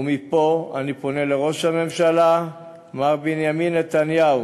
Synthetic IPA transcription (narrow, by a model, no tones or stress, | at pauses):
umipo̞anipo̞ne̞le̞ʁo̞ʃhame̞mʃala | maʁbinjaminet̪anjau